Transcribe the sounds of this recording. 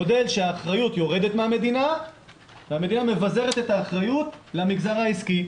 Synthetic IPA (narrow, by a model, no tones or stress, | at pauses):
ode̞lʃeaːχʁajut̪jo̞ʁe̞detmehame̞d̪ina | veame̞diname̞vaze̞ʁe̞t̪e̞t̪aːχʁajutleamiɡzaʁaiski